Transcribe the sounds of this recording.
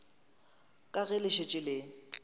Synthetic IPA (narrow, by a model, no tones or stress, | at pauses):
kʼaɣɛlɪʃet͡ʃʼɪlɪ